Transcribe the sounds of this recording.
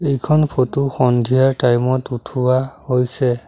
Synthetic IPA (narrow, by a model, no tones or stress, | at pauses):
ejkʰɔnpʰotuxɔndʱijaɹtajmɔtutʰuwahojsɛ